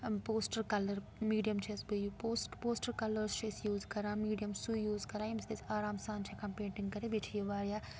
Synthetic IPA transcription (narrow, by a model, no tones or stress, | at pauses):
poːsʈɐɾkɐlɐɾ | miːɖijɐmt͡ʃʰisbɨjupoːsʈpoːsʈɐɾkɐlɐɾst͡ʃʰisjuːzkɐɾaːmiːɖijɐmsujuːzkɐɾaːjimsd̪esaːɾaːmsaːnt͡ʃʰikɐmpẽːɳʈiŋɡkɐɾebiʈʰjiʋaːɾjaː